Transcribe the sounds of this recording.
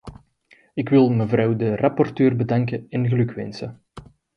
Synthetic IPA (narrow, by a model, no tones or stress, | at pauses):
ɪkwɪlˠməvrɑwdərɑpɔrtøːrbədɑŋkəɛnɣəlɵkʋɛ̰nsə